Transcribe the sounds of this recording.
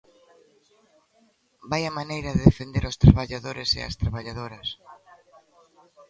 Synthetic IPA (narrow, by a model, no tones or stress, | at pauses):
bajɐmanejɾɐðeðefend̪eɾost̪ɾaβaʎaðoɾesḛɐ̰st̪ɾaβaʎað̞oɾɐs